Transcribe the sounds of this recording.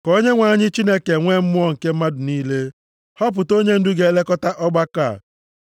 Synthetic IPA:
ko˦ɲe˦ŋʷa˨ɲɪ˦t͡ʃi˦ne˦ke˨ŋʷe˦m̩˦mʊ˦ɔ˦ŋ̩˨ke˦m̩˦ma˦dʊ˨niː˦le˦ | hɔ˦p̬ʊ˨to˦ɲe˦n̩˦dʊ˦ɡe˨˦le˦kɔ˦ta˦ʔɔ˦ɡ͡ba˦ka˨

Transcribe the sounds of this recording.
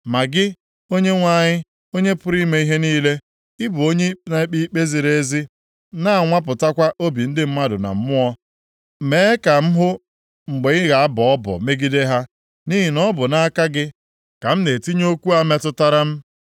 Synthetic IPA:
ma˨ɡɪ˦ | o˦ɲe˦ŋʷa˦˨ɲɪ˦ | o˦ɲe˦pʊ˦ɾi˦me˦i˦ɦe˦niː˦le˦ | ɪ˦bʊ˨o˦ɲe˦na˨˦k͡pi˦k͡pe˦zi˨ɾe˦zi˦ | na˦a˨ŋʷa˦p̬ʊ˨ta˦kʷa˦ʔo˦bi˨n̩˦dɪ˦m̩˦ma˦dʊ˨na̰˨m̩˦mʊ˦ɔ˦ | meː˦ka˨m̩˦ɦʊ˦ | ŋ͡m̩˨ɡ͡be˨ɲɪ˦ɣa˨a˦bɔ˨ɔ˦bɔ̰˨me˦ɡi˦de˦ɦa˦ | ni˦ɦi˨nɔ˦bʊ˨na˦a˦ka˦ɡɪ˦ | ka˨m̩˦ne˨ti˦ɲ˦o˦kʷu˦a˦me˦tʊ˦ta˦ɾa˦m̩˦

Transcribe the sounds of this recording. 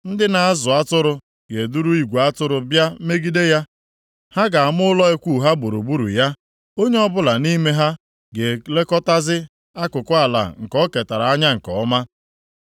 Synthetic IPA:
n̩˦dɪ˦na˨a˦zʊ˨a˦tʊ˦ɾʊ˨ | ɡe˨du˦ɾu˦i˦ɡʷu˨a˦tʊ˦ɾʊ˨bja˦me˦ɡi˦de˦ja˦ | ha˦ɡa˨a˨mʊ˦ʊ˦lɔ˦e˦kʷu˦˨ɦa˦bo˨ɾo̰˨bu˦ɾṵ˨ja˦ | o˦ɲe˦ɔ˦bʊ˦la˨ni˦me˦ɦa˦ | ɡe˨le˦kɔ˦ta˦zɪ˦ | a˦kʊ˨kʊ˦a˨la̰˨ŋ̩˨kɔ˦ke˨ta˨ɾa˨a˦ɲa˦ŋ̩˨kɔ̰˨ɔ˦ma˦

